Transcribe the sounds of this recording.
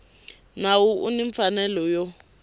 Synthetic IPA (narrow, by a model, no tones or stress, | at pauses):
nawuʔṵniɱfanɛlɔjɔ